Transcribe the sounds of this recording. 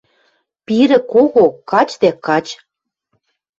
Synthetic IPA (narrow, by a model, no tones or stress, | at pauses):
piɾɘ̆koɣokɑt͡ɕd̪ækɑt͡ɕ